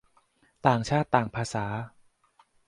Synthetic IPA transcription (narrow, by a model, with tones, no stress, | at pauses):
t̪aː˨˩ŋt͡ɕʰaː˥˩t̪ːaː˨˩ŋpʰaː˧saː˩˦